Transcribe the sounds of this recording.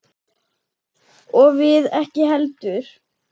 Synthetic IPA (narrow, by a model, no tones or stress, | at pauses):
ɔɣvɪðɛhcɪɦɛlt̪ʏɾ̥